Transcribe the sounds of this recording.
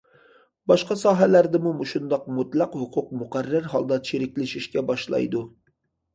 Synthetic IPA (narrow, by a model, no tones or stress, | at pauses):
bɑʃqɑsɑːɦɛlæɾd̪ɪmumuʃund̪ɑq̚mut̪lˠɑqhʊqʰʊq̚mʊqærːæɾɦɑlˠd̪ɑt͡ʃʰeɾɪkʲlɪʃiʃkʲɛbɑʃlˠɑ̰jd̪u